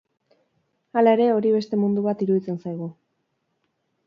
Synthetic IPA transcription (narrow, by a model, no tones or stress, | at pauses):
alae̞ɾe̞o̞ɾiβ̞e̞st̪e̞mund̪uβ̞at̪iɾuðit͡se̞nsajɣ̞u